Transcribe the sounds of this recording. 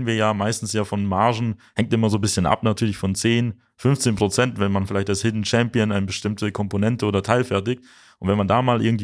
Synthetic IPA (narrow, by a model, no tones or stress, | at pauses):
nviːɐjaːmaɪstn̩sjaːfɔnmaɐʒn̩hɛŋtʔɪmɐzoːbɪsçənʔa̰pnatʰyːɐlɪçfɔnt͡seːn | fʏnft͡seːnpʁ̥ot͡sɛntv̥ɛnmanfɪlaɪçtalshɪdn̩t͡ʃɛmpiənaɪnəbəʃtɪmtəkʰɔmponɛntəoːdɐtʰaɪlfɛɐtɪk̚t | ʔʊntv̥ɛnmandaːmaːlʔɪ̰ɐɡŋ̩tv